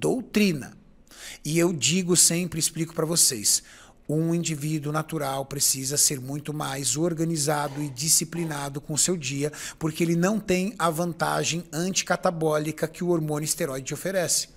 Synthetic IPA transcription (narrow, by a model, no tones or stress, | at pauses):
d̪owt̪ɾĩnɐ̰ | ɪewd͡ʒiɡʊsẽmpɾɪsplikʊ̥pɾɐvosḛs | ũĩd͡ʒivid̪ʊnat̪uɾawpɾesizɐseɾmũj̃t̪ʊmajzoɾɡɐnizad̪ʊɪd͡ʒisiplinad̪ʊkõʊsewd͡ʒiɐpoɾkeelɪnɐ̃w̃t̪ẽj̃ɐvɐ̃nt̪a̰ʒẽj̃ɐ̃nt͡ʃi̥kat̪abɔlikɐkɪʊoɾmõnʊist̪eɾɔjd͡ʒɪofeɾɛsɪ̥